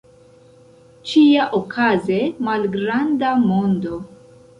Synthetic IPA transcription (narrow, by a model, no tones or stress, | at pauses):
t͡ʃiaʔokʰazemalɡɾandamo̞ndo̞